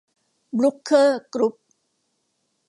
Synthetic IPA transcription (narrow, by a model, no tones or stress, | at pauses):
blukʰːəɡɾup̚